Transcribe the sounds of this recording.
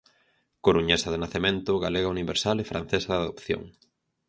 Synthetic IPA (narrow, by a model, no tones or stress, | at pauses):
koɾuɲesaðɪnaθemẽnt̪ʊɣaleɣauniβeɾsalefɾa̰n̟θesaðaðo̰pθjo̰ŋ